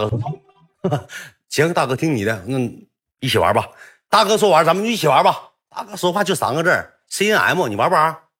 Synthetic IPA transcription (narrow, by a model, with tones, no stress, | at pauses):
a˥˧kɤ˥˩ɔ˥tʰu˧˥ŋ | t͡ɕʰɛ˧˥ŋ˧t̪a˥˩kɤ˧˥˩t̪ʰi˥ŋni˨˩d̪ə˦nə˥˩ŋ | i˥˩t͡ɕʰi˨˩wa̰˧˥bɐ˧t̪a˥˩kɤ˥s̬wɔ˧˥wa˧˥t͡sa˧˥mə˧no˥˧i˥˩i˩wa˧˥bɐ˧ | t̪a̰˥˩kɤ˥swɔ˥xwa˥˧t͡ɕjo˥˩sɑ̰˧˥ŋɡə˧ʈ͡ʂə˥˩ | se˥˩ʔa̰˧˥ɪmwɔ˥˩ni˨˩wa˧˥ba˧˥